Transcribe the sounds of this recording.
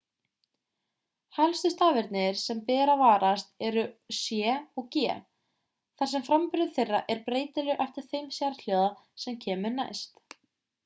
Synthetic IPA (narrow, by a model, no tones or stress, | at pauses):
halst̪ʏst̪aːvɪɾt̪nɪɾ̥sɛmpɛːɾavaːɾast̪ɛɾʏsjɛːɔɣcɛ̰ː | θaɾ̥sɛmfɾampʏɾðɪθɪrːa̰ʔɛɾpɾeːjt̪ɪlʏʔɛft̪ɪɾ̥θejmsjaːɾal̥joːðasɛmcʰɛːmʏɾna̰jst̪